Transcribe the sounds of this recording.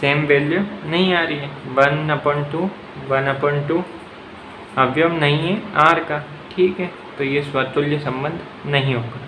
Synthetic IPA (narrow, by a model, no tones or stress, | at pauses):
seːmʋeːljonɐɦĩaːɾɐiɦɛʋɐnːɐpəɳʈu | ʋɐnɐpəɳʈu | ɐʋjɐmnɐɦĩɦɛaːɾka | ʈʰiːkɦɛː | t̪ojeswat̪uljəsɐ̃mbə̃nd̪ʱ | nɐɦĩɦoːɡa